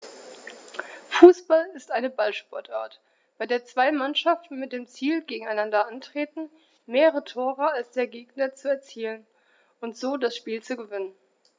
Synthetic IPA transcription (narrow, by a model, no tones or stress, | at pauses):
fuːsb̥alɪstʔaɪnəbalʃpɔɐtʔa̰ːɐt | b̥aɪdeːɐt͡sv̥aɪmanʃaftn̩mɪt̚d̥eːmt͡siːlɡeːɡŋ̩aɪnandɐʔantʁ̥eːtn̩ | meːʁəʁətʰoːʁəalsd̥eːɐɡeːɡ̚nɐt͡suɛɐt͡siːlən | ʔʊntz̥oːdasʃpiːlt͡suɡəvɪnən